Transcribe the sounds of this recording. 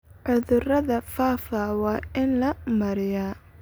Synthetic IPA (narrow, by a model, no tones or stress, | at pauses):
ʕʊðʊrɐðɐfaːfawɑːɪnlɐmɐɾɪjaː